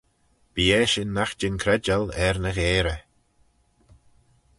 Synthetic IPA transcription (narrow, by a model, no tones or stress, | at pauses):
b̥iːɛːʃɪnːaxd͡ʒɪnkʰɾɛd͡ʒalɛɾnəɣeːɾə